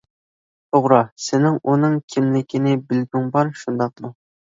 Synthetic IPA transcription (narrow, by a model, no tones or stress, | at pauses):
t̪ʰoʁɾɑsɪnɪŋunɨŋkʲʰɪmlɪkʲʰinɪbɪlɡ̪ʲyŋbɑɾʃund̪ɑq̚mu